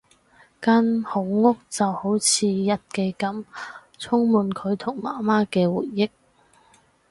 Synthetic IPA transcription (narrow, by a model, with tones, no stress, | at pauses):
kaː˥nho˨˥wŋʊ˥k̚t͡sɐ˨who˨˥wt͡sʰiː˨˧jɐ˥t̚ke˧jkɐ˨˥m | t͡sʰʊ˥ŋmuː˨nkʰɵ˨˧ɥt̪ʰʊ˨˩ŋmaː˨˩maː˥kɛː˧wṵː˨˩jːɪ˥k̚